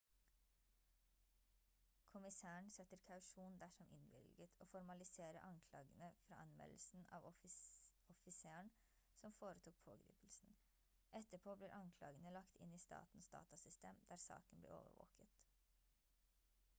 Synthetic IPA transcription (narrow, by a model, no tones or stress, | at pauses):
kʰʊmɪsæːəɳ̩sɛt̪əɾkʰɑʉʃuːnd̪æʃɔmʔɪnʋɪ̰lɡət̪ʰoːfɔɾmɑlɪseːɾəʔɑŋkʰlɑ̰ːɡənəfɾɑ̰ːʔɑnmɛ̰ll̩sn̩ɑ̰ːʋɔ | ɔfɪseːəɳ | sɔmfoːɾət̪ʰuːk̚pʰoːɡɾḭːpl̩sn̩ | ɛt̪əpʰoːbliːɾʔɑŋkʰlɑ̰ːɡənəlɑkt̪ʰɪniːst̪ɑ̰ːt̪n̩sd̪ɑ̰ːt̪ɑsʏst̪eːmd̪̥æːɾsɑ̰ːkənblḛːʔo̰ːʋə̰ʋo̰ːkət̪